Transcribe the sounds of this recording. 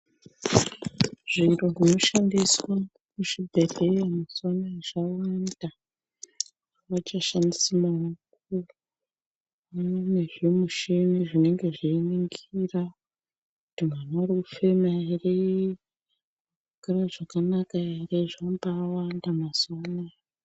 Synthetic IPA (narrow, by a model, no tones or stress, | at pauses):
ʐ̥iro̞ʐino̞ʃandiswa | kuʃibʱebʱejamaswanaeʐawanda | ʋat͡ʃaʃandisamauk | uru | ane̞ʐimuʃeniʐine̞ŋɡe̞ʐiːniŋɡira | kutiŋanaarikufemaire | ɡaraʐakanakaireʐambawandamaswana